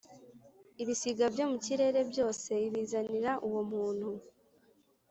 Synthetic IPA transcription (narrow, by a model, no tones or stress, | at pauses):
iβisiɡabjo̞muciɾe̞ːɾe̞bjo̞ːse̞iβiːzaniɾaʔuwo̞muːnhu